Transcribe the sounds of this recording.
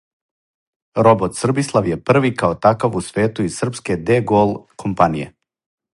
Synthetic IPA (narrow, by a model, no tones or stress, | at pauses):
ɾobot̪sr̩bislˠaʋjepr̩ʋikaot̪akaʋusʋe̞ːt̪uizsr̩pske̞d̪eɡoːlˠkʰompanijḛ